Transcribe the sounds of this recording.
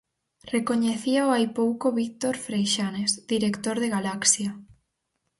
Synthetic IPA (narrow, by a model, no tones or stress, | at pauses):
rekoɲeθiaoajpowkoβik̚t̪oɾfɾejʃanezd̪iɾekt̪oɾðeɣalaksja